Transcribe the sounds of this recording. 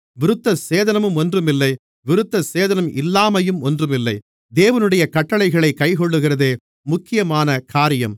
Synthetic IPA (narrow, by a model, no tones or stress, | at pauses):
ʋɪɾɯt̪ːɐseːðɐnɐmɯmɔndrɯmɪlːɐɪ | ʋɪɾɯt̪ːɐseːðɐnɐmʔɪlːaːmɐjɯmɔndrɯmɪlːɐɪ | d̪eːʋɐnɯɽɐjɐkɐʈːɐɭɐɪɣɐɭɐɪkːɐɪkɔɭːɯɣɪrɐðeː | mʊkːɪjɐmaːnɐkaːɾɪjɐ̰m